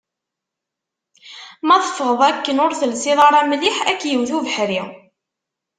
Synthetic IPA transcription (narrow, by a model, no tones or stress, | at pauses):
mɑðˤəfəʁəðˤækːənʊɾθəlsiðˤɑɾˤæmliħækːjəwθuvəħɾi